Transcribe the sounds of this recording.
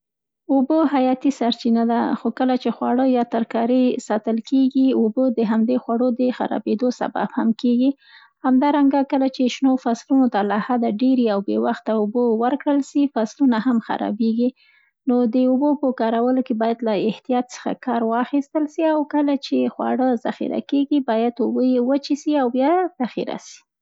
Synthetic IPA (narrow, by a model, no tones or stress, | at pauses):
uboɦajɑt̪isaɾt͡ʃinad̪axokəlat͡ʃexwɑɽəjɑt̪aɾkɑɾəsɑt̪əlkeɡiobod̪əɦamd̪exwaɽod̪əxa̰ɾɑ̰bed̪osa̰ba̰bhamkeɡi | hamd̪ɑɾaŋɡakəlat͡ʃeʃnofaslunot̪alahad̪aɖeɾeawbḛwaxt̪aubowəɾkɽəlʃifaslunahamxa̰ɾɑ̰beɡi | nod̪əubopəkɑɾawəlokebɑjad̪laɪht̪ijɑt̪̚sə̥xa̰kɑɾwɑxist̪əlʃiawkəlat͡ʃexwa̰ɽəza̰xḭɾa̰keɡibɑjad̪ʊbəjewət͡ʃisiawbjɑz̥axḭɾa̰ʃi̥